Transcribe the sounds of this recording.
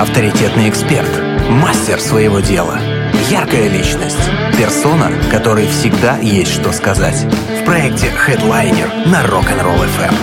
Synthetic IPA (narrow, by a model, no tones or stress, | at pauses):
ɐft̪əɾʲɪtʲe̞t̪nɨjɪkspʲe̞̰rt̪ | masʲtʲɪrsvəjɪvo̞dʲe̞lˠə̰ | jarkəjəlʲit͡ɕnəsʲtʲpʲɪrso̞nəkɐt̪o̞ɾɨjfsʲɪɡd̪ajesʲtʲʂt̪o̞skɐzatʲ | fpɾɐɛk̚tʲɪxɛd̪lˠajnʲɪ̰rnɐrokɐnro̰lˠɛfɛ̰m